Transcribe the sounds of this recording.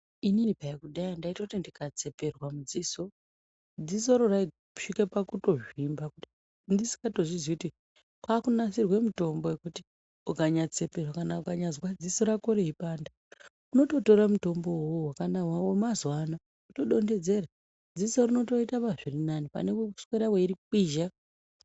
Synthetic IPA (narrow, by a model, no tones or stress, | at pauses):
ininipaikuɗaindaitokutindikat͡se̞pe̞rwamud͡ziso̞ | d͡ziso̞ɾorai | u̥ʂikepakuto̞ʐimbakuti | ndisi̥ŋɡato̞ʐizwikuti | kwakunasirwe̞muto̞mbo̞jekuti̥ | ukaɲat͡se̞pe̞rwakanaukaɲazwad͡ziso̞ɾakoɾe̞ipaːnda | uno̞to̞to̞ɾamuto̞mbo̞wowowakanawaomazwana | uto̞ɗo̞nde̞d͡ze̞ra | d͡zisorino̞to̞itapaʐirinanipa̰nekusweɾaweiɾikiːʒa